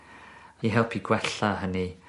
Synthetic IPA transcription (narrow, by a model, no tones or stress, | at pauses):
iɦɛlˠpʰiɡwɛɬaɦəni